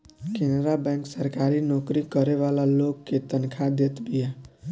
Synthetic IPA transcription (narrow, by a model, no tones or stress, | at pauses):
kenɾabɛ̃ŋksəɾkaɾinɔːkɾikəɾeʋalaloɡket̪ənkʰad̪et̪bija